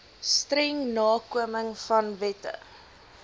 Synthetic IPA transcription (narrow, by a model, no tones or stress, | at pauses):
strɛŋnɑːkuəməŋfɐnvɛtə̰